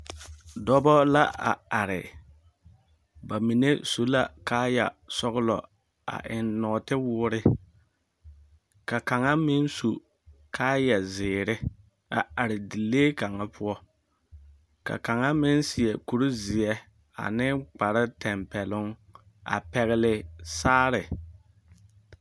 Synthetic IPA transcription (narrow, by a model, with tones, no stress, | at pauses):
dɔ˦bɔ˦la˦ʔa̰˨a˨ɾɪ̰˨ | ba˨mi˨ne˦so˦la˦kaː˦ja̰˨sɔ˦ɣlɔ̰˨ | a̰˨ʔɪ˨nːɔː˨tɪ˦wʊː˦ɾɪ˦ | ka˨ka˨ŋa˦mɪ˦n˦su˨ | kʰaː˦ja˨zɪː˨ɾɪ˦ | a̰˨a˨ɾɪ˨di˨leː˦ka˨ŋa˦pʰʊ˦ɔ˦ | ka̰˨ka˨ŋa˦mɪ˦nsɪ˨ɛ˨ku˨ɾʊ˦zɪ˨ɛ˦ | a̰˨nɪ˦k͡pa˨ɾɪ˦tɛ˨mpɛ˨lʊ˦ŋ | a̰˨pɛ˨ɣɪ˦lɪ˨saː˦ɾɪ˨